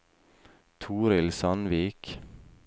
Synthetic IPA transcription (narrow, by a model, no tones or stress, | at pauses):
t̪ʰuːɾɪlsɑnʋiːk